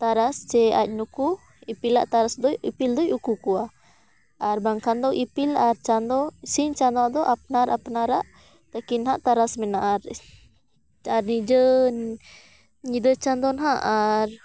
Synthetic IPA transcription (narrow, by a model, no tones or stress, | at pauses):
t̪aɾast͡ʃɛa̰c̚nuku | ipila̰ʔt̪aɾasd̪ɔipild̪ɔjukukua | aɾbaŋkand̪ɔʔipilaɾt͡ʃand̪ɔsint͡ʃand̪ɔd̪ɔʔap̚naɾʔapnaɾaʔ | t̪akinɦaʔt̪aɾasmɛnaʔaɾ | aɾnid͡ʒən | ɲid̪ət͡ʃand̪ɔnɦaʔaɾ